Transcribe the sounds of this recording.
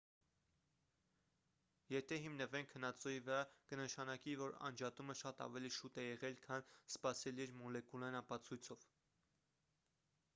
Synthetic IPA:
jɛt̪ʰɛɦimnəvɛŋkʰːənɑt͡sɔivəɾɑkənəʃɑnɑkivɔɾɑ̰nd͡ʒɑt̪uməʃɑt̪ɑ̰vɛliʃut̪ɛjɛʁɛlkʰɑnspɑsɛliɛɾmɔlɛkulɑinɑpɑt͡sʰujt͡sʰɔv̥

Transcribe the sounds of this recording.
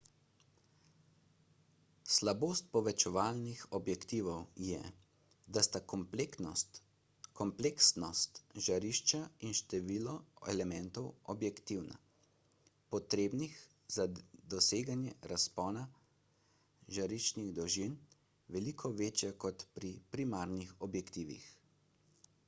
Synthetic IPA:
slaboːst̪̚pɔʋɛt͡ʃɛʋaːlnixɔbjɛkt̪iːʋɔwjɛ̰ | d̪ast̪a | kɔmpleksnɔst̪ʒaɾiʃt͡ʃainʃt̪ɛʋiːlɔɛ̰lɛmɛnt̪ɔwɔbjɛkt̪iwna̰ | pɔt̪ɾeːbnix | z̥ad̪ɔseːɡanjɛɾaspɔːna | ʒaɾit͡ʃniɣd̪ɔʒin | ʋɛlikʰɔʋeːt͡ʃjakɔt̪pɾipɾimaɾnixɔbjɛkt̪iːʋḭx

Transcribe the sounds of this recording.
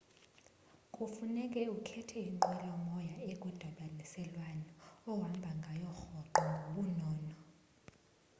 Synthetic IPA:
kʼufunɛk̬ʼɛukʰɛtʰɛiŋǃɛlɔmɔjaek̬ʼud̥ʱaɓanisɛlwanɔɔwambʱaŋɡʱajɔxɔǃɔŋɡʱoɓunɔːnɔ

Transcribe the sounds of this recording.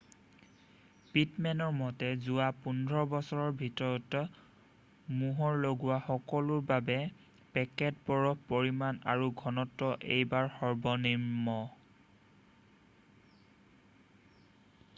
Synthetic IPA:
pitmɛnɔɹmɔtɛzʊwapundʱɹɔbɔsɔɹɔɹbʱitɔɹɔt | muɦɔɹloɡuwaxɔkɔlʊɹbabɛ | pɛkɛt̚pɔɹɔpoɹimanaɹuɡʱɔnɔtːɔʔḛjbaɹxɔɹbɔniɹmːɔ

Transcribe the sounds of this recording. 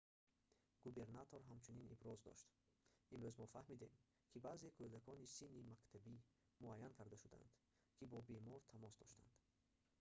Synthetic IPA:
ɡ̥ube̞ɾnat̪ʰoɾɦamt͡ʃʰuninḭbɾɔzd̪ɔ̰ʃt̪ | imɾøzmɔfahmid̪e̞m | kʰibaːze̞kʰød̪akʰɔnisinːimakt̪ʰabi | muajːankʰaɾd̪aʃud̪a̰nd̪̥ | kʰibɔbe̞mɔɾt̪ʰamɔsd̪ɔʃt̪a̰nd̪̥

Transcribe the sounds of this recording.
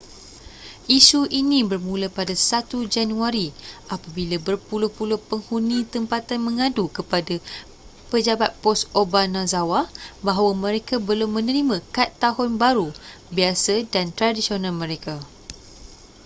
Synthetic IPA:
ʔisuʔinĩbərmũlapadasat̪ud͡ʒanũaɾiʔapabilabərpulʊhpulʊhpəŋhunĩt̪əmpat̪anmə̃ŋãdukəpada | pəd͡ʒabat̪̚pɔsobanãzawabaɦwamə̃ɾekabəlʊmːə̃nəɾimãkat̪ːaɦʊnbaɾu | biasadant̪ɾadisionãlmə̃ɾeka

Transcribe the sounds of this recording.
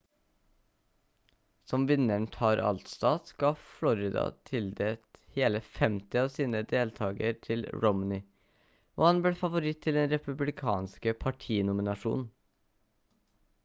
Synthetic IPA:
sɔmʋɪnəɳt̪ʰɑːɾʔɑ̰lt̪st̪ɑːt̪sɡ̥ɑːflɔɾɪd̪ɑ̰t̪ʰɪld̪eːt̪heːləfɛmt̪ɪɑːʋsiːnəd̪eːlt̪ʰɑːɡə̰ɾt̪ʰɪlɾɔmnɪ | ʔo̰ːhɑnbleːfɑʋʊɾɪt̪ʰːɪlɛnɾɛpʉblɪkʰɑ̰ːnskəpʰɑʈʰiːnʊmɪnɑʂṵːnn̩

